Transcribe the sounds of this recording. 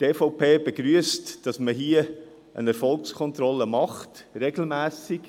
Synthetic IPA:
teːfɔʊpʰeːbeɡɾyəstd̥ɑsməɦiə | ʔə̰nɛɾfɔlkskʰɔnt̪ɾɔlːəmɑχtɾɛɡ̥l̩mæːsiɡ

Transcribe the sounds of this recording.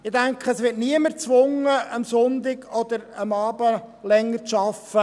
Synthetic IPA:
ɪd̥æŋkχəːsʋɪːtniəməɾt͡sʋʊŋəʔəmsʊnd̪ɪɡɔd̪əɾəmɑːbə | lɛŋːəɾt͡sʃɑfə

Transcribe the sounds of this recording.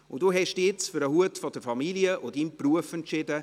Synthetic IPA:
ʊndoːɦɛʃd̥ːɪt͡sfyɾəɦuətfɔdəfɑmiliəʔʊdiːmpruəfɛnt͡ʃɪdə

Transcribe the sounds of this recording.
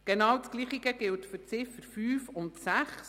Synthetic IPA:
ɡ̥enɑːwtsɡ̥liːχiɡəɡ̥ɪltfʏɾt͡sɪfəɾfyːfʊntsæχs

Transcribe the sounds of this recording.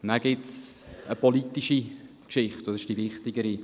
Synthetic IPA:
næɾɡ̥ɪtsəpolit̪ːiʃi | kʃɪχtosɪʃd̥ivɪχtɪɡəɾi

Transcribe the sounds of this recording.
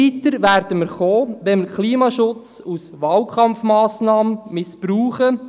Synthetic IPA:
it̪əɾʋæːɾdəməɾχoːʋɛnməɾkʰliːmɑʃʊt͡susʋɑːlkχɑmfmɑːsnɑːməmɪspɾuːχə

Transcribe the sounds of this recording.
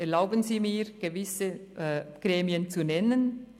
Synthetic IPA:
ɛɐlaʊbənziːmiːʁɡ̥əvɪsəɡ̥ʁeːmjənt͡sunɛnən

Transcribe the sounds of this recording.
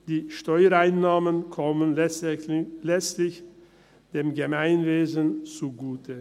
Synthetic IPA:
d̥iːʃtɔʏəɾaɪnːaːmənkʰɔmənɛ | lɛt͡stlɪç | d̥eːmɡəmaɪnveːzənt͡suɡuːtʰə

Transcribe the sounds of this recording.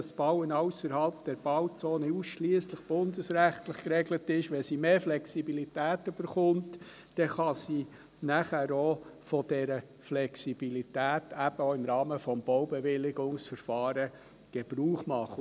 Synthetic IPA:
sb̥ɑwənɑʊsəɾhɑlp̚d̥̪ɛɾb̥ɑwt͡soːnəusʃliəsləχb̥ʊnd̪əsɾæχtləχkɾɛɡlətɪʃʋɛsimeːflɛksibilitæːtʏb̥əɾχʊnt | d̥ɛχɑsiː | næχæɾofɔd̥ɛɾə | flɛksib̥ilitæːtʰæb̥əoːɪmɾɑːməfɔmb̥ɔwbɛʋɪlɪɡʊŋsfəɾfɑːɾə | ɡ̥ɛb̥ɾuːχmɑχːə

